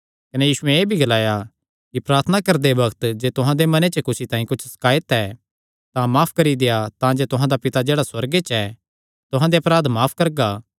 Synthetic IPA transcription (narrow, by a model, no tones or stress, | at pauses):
kɐnejiːsʊɛ̃eːbʱiɡɐlaːja | kipɾaːɾt̪ʰənakɐɾd̪ebɐɡt̪d͡ʒeːt̪ʊɦãd̪emɐnet͡ʃəkʊsit̪ãːĩkʊt͡ʃʰsɐ̥kaːjɪt̪ɛː | t̪ãmaːpʰkɐɾid̪ejat̪ãd͡ʒeːt̪ʊɦãd̪apɪt̪ad͡ʒeːɽaswɐɾɡet͡ʃɛ | t̪ʊɦãd̪eɐpɾaːd̪maːpʰkɐɾɡaː